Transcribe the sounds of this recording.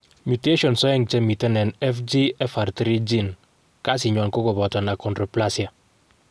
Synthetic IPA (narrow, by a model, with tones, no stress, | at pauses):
mu˨te˦ʃɔ˨nsɔ˦ɛ˦ŋt͡ʃɛ˦mi˨tɛ˦nɛ˨nɛ˦fd͡ʒi˦ɛ˦fa˨ɾtɾi˦d͡ʒi˦˨n | ka˦s̬i˨ɲɔ˨nko˦kɔ˨bɔ˨tɔ˨na˨kɔ˨ndɾɔ˨pla˦sja˨